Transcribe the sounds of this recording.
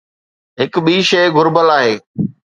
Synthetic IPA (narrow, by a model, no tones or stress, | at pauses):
ɦɪkɓiːʃeːɡʱʊɾbəlaːɦeː